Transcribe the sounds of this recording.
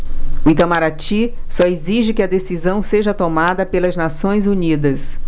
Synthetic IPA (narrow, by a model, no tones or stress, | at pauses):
ʊĩk̪ɐ̃maɾat͡ʃisɔeziʒɪkɪɐd̪esizɐ̃w̃seʒɐt̪omad̪ɐpelɐznasõj̃zunid̪ɐs